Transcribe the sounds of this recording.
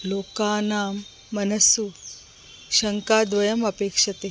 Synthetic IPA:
lokanaːmː | ɐnəsu | ɕəŋkad̪ʋɐjəməpekʂɐt̪e

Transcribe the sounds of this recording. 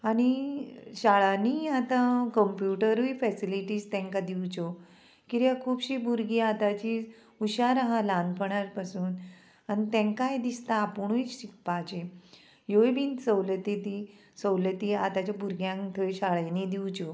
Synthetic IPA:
aɽ̃iɕaɭaniat̪ãkəmpjuʈəɾuifɛsiliʈiːst̪ɛ̃ŋkad̪iwt͡ɕɔ | kiɾjakʰuːpɕibuɾɡiat̪at͡ɕi | uɕaɾaɦãlanpəɳ̃aɾpasuːn | anit̪ɛ̃ŋkajd̪ist̪aːpuɳ̃ujɕik̚pat͡ɕe | jojbinsəwlət̪it̪i | səwlət̪iat̪at͡ɕjabuɾɡjãŋt̪ʰəjɕaɭjanid̪iwt͡ɕɔ

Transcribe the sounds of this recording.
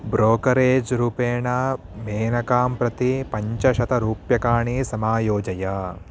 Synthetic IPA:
bɾoːkɐɾeːd͡ʒɾuːpeːɳɐ | meːnɐkaːmpɾɐt̪ipɐɲt͡ʃɐʃɐt̪ɐɾuːpjɐkaːɳisɐmaːjoːd͡ʒɐjaː

